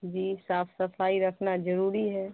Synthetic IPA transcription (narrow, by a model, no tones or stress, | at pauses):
d͡ʒiːsaːfʰsɐfʰaːiɾɐkʰnazɐɾuːɾiɦɛː